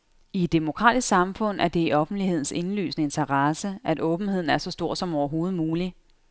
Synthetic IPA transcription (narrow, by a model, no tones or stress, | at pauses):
ied̥ːemo̝kʰʁɑ̰̈ːd̥isɡ̥sɑ̈mfɔ̽n̰ʔæɐd̥e̝iʔɒ̽fn̩dlihe̝ð̞̰ˠn̩se̝nly̰ːsnəe̝nt͡sʰɐʁɑsəʔæd̥ɔ̽ːb̥n̩he̝ð̰ˠn̩æɐsɒ̽sd̥o̝ɐ̰sɒ̽mɒʊɐɦo̝ːð̩ˠmuːli